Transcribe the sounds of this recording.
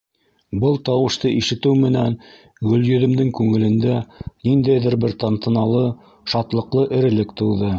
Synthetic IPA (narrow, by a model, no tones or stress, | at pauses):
bɤlˠt̪ɑwɤ̆ʃt̪ɤʔiʃɘ̆t̪ɘwmɘ̆næn | ʁɵ̆ljɵ̆ðɘ̆md̪ɘŋkʉŋɘ̆lɘ̆nd̪ænind̪æjðɘɾbɘɾt̪ɑnt̪ɤ̆nɑlˠɤ | ʃɑt̪lˠɤ̆qlˠɤʔɘ̆ɾɘ̆lɘkt̪ɤ̆wðɤ